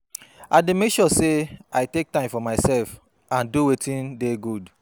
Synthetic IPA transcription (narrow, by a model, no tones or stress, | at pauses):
aɪdemekʃɔseaɪtek̚tãɪ̃mfɔmaɪsɛlf | ãnduwetĩndeɡud